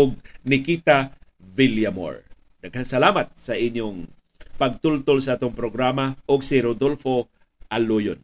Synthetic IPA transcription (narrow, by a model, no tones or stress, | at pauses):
oɡ̚nɪkit̪a | viljamo̰ɹ | nɐɡ̚hɐŋsɐlaːmɐt̪̚sɐʔɪɲjoŋ | pɐɡ̚t̪ult̪olsɐʔat̪oŋpɾoɡɾaːmaʔoɡsɪɾod̪olfo̞ | ʔɐlojo̰n